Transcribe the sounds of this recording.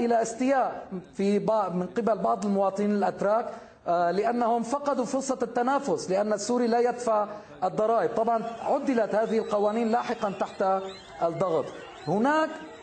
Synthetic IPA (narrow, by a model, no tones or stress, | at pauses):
ʔɪlaʔɪst̪ɪjaːʔfibmɪnqɪbalbɑʕd̪ˤɪlmʊwɑːt̪ˤɨniːnɪlʔat̪ɾˤɑːk | lɪʔanːahʊmfɑqɑd̪ufʊɾsˤːɑt̪ːanaːfʊslɪʔanːasːuːɾilaːjad̪faʕ | ʔɨd̪ˤːɑɾˤɑːʔɪb̚t̪ˤɑbʕɑnʕʊd̪ːɪlat̪haːðɪhɪlqɑwaːniːnlaːħɪqɑnt̪aħt̪a | ʔd̪ˤːɑɣt̪ˤ | hʊnaːk